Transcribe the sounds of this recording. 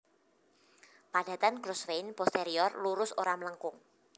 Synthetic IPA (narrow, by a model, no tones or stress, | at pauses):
pad̥ä̤t̪anɡɾɔsfejnpɔst̪eɾiɔrluɾʊsoɾamələŋkʊŋ